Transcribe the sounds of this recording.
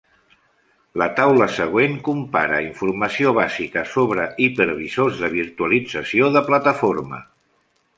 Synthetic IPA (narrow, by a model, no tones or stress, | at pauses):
lət̪awləsəɣ̞weŋkumpa̰ɾə̰iɱfuɾməsioβ̞azikəsoβ̞ɾəipəɾβizozðəβ̞iɾt̪uəlid͡zəsioðəplat̪əfoɾmə̰